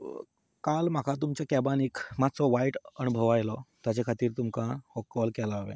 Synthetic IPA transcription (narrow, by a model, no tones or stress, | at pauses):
kalmakʰat̪̬umt͡ɕjakɛbanikmat͡sɔʋaiʈənubʱəʋajlɔt̪jat͡ɕakʰat̪iːɾt̪umkahɔkːɔlkɛlaːʋḛ